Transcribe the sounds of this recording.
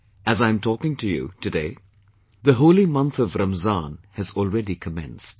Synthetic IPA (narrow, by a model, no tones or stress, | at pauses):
ɨzãɪ̃mtʰɔkɪ̃ŋtʰɨjṵtʰɨdeɪ | ðɨɦoʊlˠimʌ̃nθʌvɾaməzɑ̃nhɨzɔl̩ˠɹɛɾikʰəmɛ̰̃nst̚